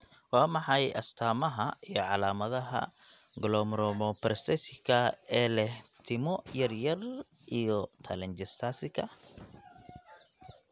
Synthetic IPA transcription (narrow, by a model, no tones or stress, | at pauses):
wɑːmɑħɑjʔɐ̰st̪ʰaːmɐɦɐijɔʕɑlaːmɐðɐɦɐ̰ | ɡlɔmɾɔmɔpɾsɛsɪkʰɐɛːlɛht̪ʰɪmɔjɐrjɐr | ʔijɔt̪ʰɐ̰lɛnt͡ʃɛst̪ʰaːsɪkʰɐ